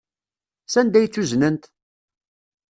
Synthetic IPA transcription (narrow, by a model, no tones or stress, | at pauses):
sænd̪æjt͡sːuznənt̪